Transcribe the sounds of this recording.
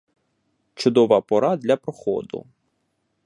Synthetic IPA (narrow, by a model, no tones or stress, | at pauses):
t͡ʃʊd̪ɔʋɑpɔɾɑd̪lʲɐpɾɔxɔ̰d̪ʊ̰